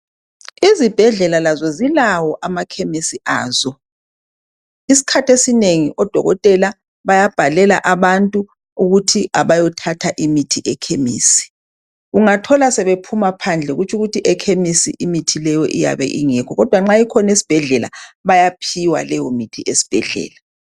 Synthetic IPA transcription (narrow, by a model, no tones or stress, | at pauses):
izib̥ʱɛɮɛlalazɔzilawɔʔamakʰemisiʔaːzɔ | isi̥kʰatʰesineŋiʔɔd̥ʱɔ̰ɣɔ̰tʼɛla | βajab̥ʱalɛla̰ʔaβantʼu | uɣutʰiʔaβajɔtʰatʰaʔimitʰiʔɛkʰemḭːsi̥ | uŋatʰɔlasɛβepʰumapʰand͡ɮʱɛɣut͡ʃʰʼuɣutʰiʔɛkʰemisḭʔimitʰilɛjɔ̰ʔija̰βɛ̰ʔiŋɛkʰɔɣɔd̥ʱwaŋ͡ǁajikʰɔnesi̥b̥ʱɛɮɛla̰βajapʰiwa̰lɛjɔmitʰiʔesi̥b̥ʱɛɮɛ̰ːla